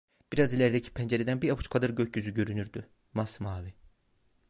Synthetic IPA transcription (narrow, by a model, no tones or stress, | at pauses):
b̥iɾɑzilʲæɾd̪ɛcʰi̥pʰænd͡ʒɛɾɛd̪ænbiɾɑpʰu̥t͡ʃkʰad̪aɾɟøcɟyzyɟø̞ɾynyɾd̪y | mɑsmaːvi